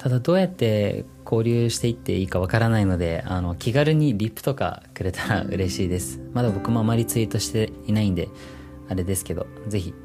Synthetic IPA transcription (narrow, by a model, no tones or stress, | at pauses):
t̪ʰad̪ad̪o̞ːjat̪ːe̞ | kʰo̞ːɾʲɨːɕi̥t̪e̞it̪ːe̞̰iːkaβ̞akaɾanaino̞d̪e̞̰ano̞kʲʰiɡaɾɯ̟ɲ̟iɾʲipːɯ̟̥t̪o̞ka̰kɯ̟ɾe̞t̪aɾa̰ɯ̟̰ɾe̞ɕiːd̪e̞sɨ̥mad̪abo̞kɯ̟mo̞amaɾʲit͡sɨit̪o̞ɕi̥t̪e̞inaĩnd̪e̞̰ | aɾe̞d̪e̞sɨ̥ke̞d̪o̞ | ze̞çʲi